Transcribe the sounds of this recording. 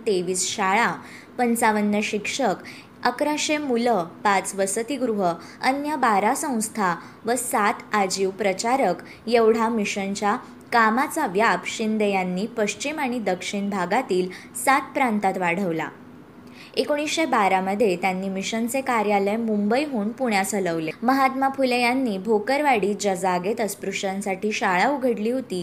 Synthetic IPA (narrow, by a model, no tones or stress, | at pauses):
t̪eʋiːsɕaɭa | pənt͡saʋənːəɕikʂək | əkɾəɕemuləpat͡sʋəsət̪iɡɾuɦə | ənjəbaɾasə̃w̃st̪ʰa | ʋəsat̪ad͡ʑiːʋpɾət͡ɕaɾək | jeʋɽ̤amiɕənt͡ɕja | kamat͡saʋjapɕind̪əjanːiːpəɕt͡ɕimaɽ̃id̪əkʂiɳbʱaɡat̪iːl | sat̪̚pɾãnt̪at̪ʋaɽ̤əʋla̰ | ekoɽ̃isɕebaɾaməd̪ʱːjet̪janːiːmiɕənt͡sekaɾjalemumbəjɦuːɳpuɳjasələʋleməɦat̪mapʰuləjanːiːbʱokəɾʋaɽiːd͡ʑəd͡zaɡet̪əspɾuʂənsaʈiːɕaɭauɡʱəɽliːɦot̪iː